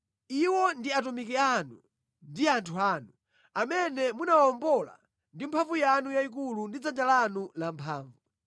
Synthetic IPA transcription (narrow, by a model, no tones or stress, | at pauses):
iwɔndiatumikɛanu | ndiantʰuaːnu | amɛnɛmunawaɔmbɔla̰ | ndimpʰaɱvujanujaik̬ulundid͡zand͡ʒalanulampʰaːɱvu